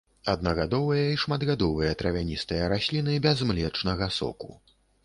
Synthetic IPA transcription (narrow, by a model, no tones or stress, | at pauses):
ɐd̪̚nɐɣad̪ɔvɨjɐiʂmad̪ɣad̪ɔvɨjɐt̪ɾɐvʲanʲist̪ɨjɐɾasʲlʲinɨbʲɛzmlʲɛt͡ʂnɐɣɐsɔ̰ku